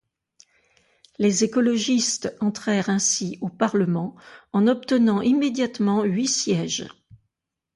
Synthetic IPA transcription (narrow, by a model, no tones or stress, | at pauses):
lezekɔlɔʒist̪ɑ̃t̪χɛʁɛ̃siopaʁləmɑ̃ɑ̃nɔp̚t̪ənɑ̃ʔimed̪jat̪mɑ̃ɥisjɛʒ